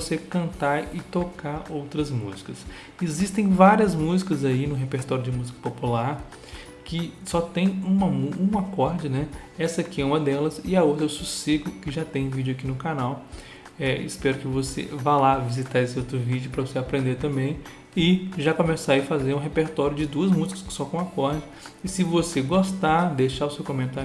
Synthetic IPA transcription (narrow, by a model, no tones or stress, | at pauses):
osekɐ̃nt̪aɾɪt̪okaɾowt̪ɾɐzmuzikɐs | ezist̪ẽj̃vaɾiɐzmuzikɐzainʊɦepeɾt̪ɔɾjʊd͡ʒɪmuzikɐ̥populaɾ | kɪsɔt̪ẽj̃ũmɐmuũɐkɔɾd͡ʒɪnɛ | ɛsɐkiɛũmɐd̪ɛlɐsɪɐowt̪ɾɐewsusiɡʊkɪʒat̪ẽj̃ũvid͡ʒʊakinʊkanaw | ɛɪ̰spɛɾʊkɪvosḛvalavizit̪aɾesɪowt̪ɾʊvid͡ʒjʊpɾɐvoseapɾẽnd̪eɾt̪ɐ̃bẽj̃ | ɪʒakõmɛsaifazeɾũɦepeɾt̪ɔɾjʊd͡ʒɪd̪uɐzmuzikɐ̥skɪ̥sɔkõw̃akɔɾd͡ʒɪ | ɪsɪvoseɡost̪ad̪ejʃaʊsewkõmẽnt̪aɾ